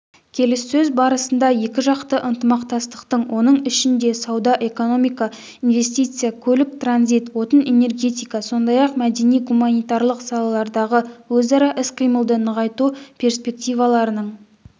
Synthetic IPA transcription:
kʲʰe̞lɪsːɵzbɑɾəsənd̪ɑje̞kʲɪʒɑqt̪əʔənt̪əmɑqt̪ɑst̪ə̥qt̪əɴwʔo̞nəɴɪʃɪnd̪e̞sɑwd̪ɑʔe̞ko̞no̞mijkɑ | inve̞s̬t̪ijt̪sɨjakʲʰɵlɪk̚t̪ranzit̪wo̞t̪əne̞ne̞rɡʲe̞t̪ijkɑso̞nd̪ɑjɑqmæd̪e̞nijɡumanijt̪ɑɾlˠəqsɑlˠɑlˠɑɾd̪ɑʁəwɵzɑɾɑʔɪsqʰijməlˠd̪ənəʁɑjt̪upʲʰe̞rspʲe̞k̚t̪ijvɑlˠɑɾənəɴ

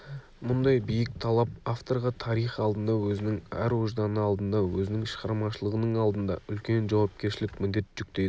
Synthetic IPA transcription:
mʊnd̪ɑjbijɪk̚t̪ʰɑlˠɑpaft̪o̞ɾʁɑt̪ʰɑɾijχɑlˠd̪ənd̪ɑwɵzɪnɪŋæ̰ɾwoʒd̪ɑnəɑlˠd̪ənd̪ɑwɵzɪnɪŋʃəʁɑɾmɑʃəlˠəʁənəɴɑlˠd̪ənd̪ɑ̰ʏlkʲe̞nʒɑwɑpkʲe̞ɾʃɪlɪkmɪnd̪e̞t̪ʒ̥ʏk̚t̪ejd̪ə

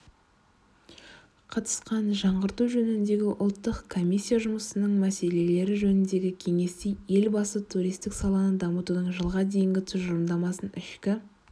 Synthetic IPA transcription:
qʰɑt̪ə̥sqɑnʒɑɴʁəɾt̪uʒɵnɪnd̪e̞ɡʲɪʔʊlˠt̪ːəqkʰo̞mʲijsʲːijaʒʊməsənəɴmæse̞le̞le̞ɾɪʒɵnɪnd̪e̞ɡʲɪkʲʰe̞ŋe̞st̪eje̞lbɑsət̪ʰuɾijst̪ɪksɑlˠɑnəd̪ɑmət̪ud̪əɴʒəlˠʁɑd̪e̞jɪŋɡʲɪt̪ʰʏzʒʊɾmd̪ɑmɑsənɪʃkʲɪ

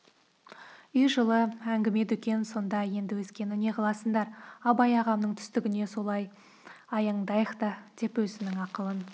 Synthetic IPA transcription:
jʒəlˠəæŋɡʲɪme̞d̪ʏkʲe̞nso̞nd̪ɑje̞nd̪ɪwɵzkʲe̞nɪne̞qʰɑlˠɑsəɴd̪ɑɾɑbɑjɑʁɑmnəɴt̪ʰʏ̥st̪ɪɡʲɪne̞so̞lˠɑj | ɑjɑɴd̪ɑjəqt̪ɑd̪̥e̞pwɵzɪnɪŋɑqəlˠən

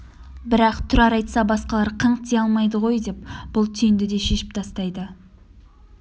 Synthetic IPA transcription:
bɪɾɑqt̪ʰʏɾɑɾɑjt̪sɑbɑsqɑlˠɑɾqʰəɴqt̪ejɑlˠmɑjd̪əʁo̞jd̪e̞p̚b̥ʊlˠt̪ʰijɪnd̪ɪd̪e̞ʃe̞ʃɪ̥p̚t̪ʰɑst̪ɑjd̪ə

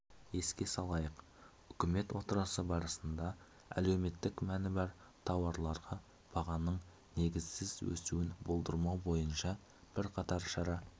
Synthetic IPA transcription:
e̞skʲe̞sɑlˠɑjəq | ʏkʲɪme̞t̪wo̞t̪əɾɑsəbɑɾəsənd̪ɑ | æ̰le̞wme̞t̪ːɪkmænɪbɑɾ | t̪ʰɑwɑɾlˠɑɾʁɑ | b̥ɑʁɑnəɴ | ne̞ɡʲɪzsɪzwɵ̰sṵwɪnbolˠd̪əɾmɑwbo̞jənʃɑ | b̥ɪɾqʰɑt̪ɑɾʃɑɾɑ

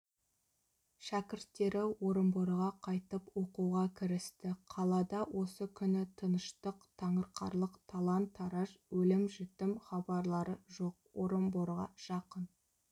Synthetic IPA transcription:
ʃækʲɪɾt̪ːe̞ɾɪwo̞ɾəmboɾʁɑqʰɑjt̪əpwo̞quʁɑkʲʰɪɾɪst̪ɪqʰɑlˠɑd̪ɑwʔo̞səkʲʰʏnɪt̪ʰənəʃt̪əqt̪ʰɑɴəɾqʰɑ̰ɾlˠəqt̪ʰɑlˠɑnt̪ʰːɑɾɑʒwɵlɪmʒʏt̪ɪmχɑbɑɾlˠɑɾəʒo̞q̚wo̞ɾəmboɾʁɑ̰ʒ̥ɑqən

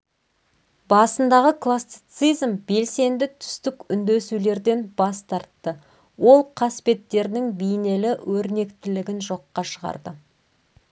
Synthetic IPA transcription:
bɑsənd̪ɑʁəklˠasijt̪sijzmbe̞lse̞nd̪ɪt̪ʰʏ̥st̪ɪkʏnd̪e̞sule̞ɾd̪e̞nbɑst̪ɑɾt̪ːə | wo̞lˠqʰɑspe̞t̪ːe̞ɾnɪŋbejne̞lɪwʔɵɾne̞kt̪ɪlɪɡʲɪnʒo̞qːɑʃəʁɑ̰ɾd̪ə

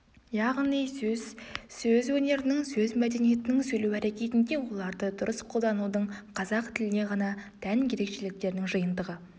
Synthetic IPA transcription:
jɑʁnijsɵzsɵzwɵne̞ɾɪnɪŋsɵzmæd̪e̞nije̞t̪ɪnɪŋsɵjlewæɾe̞kʲe̞t̪ɪnd̪e̞wo̞lˠɑɾd̪əd̪ʊɾəsqʰo̞lˠd̪ɑnud̪əɴqʰɑzɑqt̪ʰɪlɪne̞ʁɑnɑt̪ʰænkʲʰe̞ɾe̞kʃe̞lɪk̚t̪e̞ɾɪnɪŋʒəjənd̪əʁə

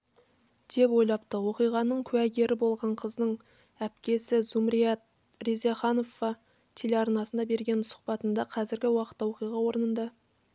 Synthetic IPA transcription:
d̪̥e̞pwo̞jlˠɑp̚t̪əwo̞qijʁɑnəɴkʲʰʉæɡʲe̞ɾʔɪbo̞lˠʁɑɴqʰəzd̪əɴ | æpkʲe̞sɪzumɾijɑt̪̚ | rizeɑχɑnovɑ | t̪ʲʰe̞leɑɾnɑsənd̪ɑbe̞ɾɡʲe̞nsʊ̥qpɑt̪ənd̪ɑqʰɑzɪɾɡʲɪwɑqə̥t̪ːɑwo̞qijʁɑwo̞ɾənənd̪ɑ

